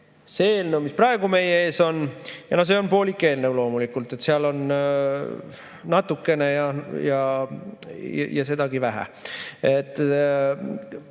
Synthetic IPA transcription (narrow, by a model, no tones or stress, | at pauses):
se̞eːlnowmisprɑeɡ̥ume̞jee̞ːso̞njɑnos̬e̞o̞npo̞ːlʲikːˑe̞ːlnewlo̞ːmulikˑult̪ːˑe̞t̪seɑlo̞n | nɑt̪ːˑukːˑe̞ne̞jɑjɑ | j̰jɑ̰se̞d̪ɑɡivæɦæ̰et̪ːˑ